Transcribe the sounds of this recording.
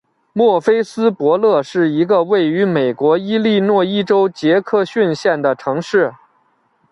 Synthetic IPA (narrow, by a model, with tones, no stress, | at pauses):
mwɔ˥˩fe˥ɪsɹ̩˥pwɔ˧˥lɤ˥˧ʂɻ̩˥˩i˧˥ɡə˧we˥˩ɪy˧˥me˨˩ɪkwɔ˧˥i˥li˥˧nwɔ˥˧i˥ʈ͡ʂo˥ʊt͡ɕjɛ˧˥kʰɤ˥˧ɕy˥˧nɕjɛ˥˩nd̪ə˩ʈ͡ʂʰɤ˧˥ŋʂɻ̩˥˩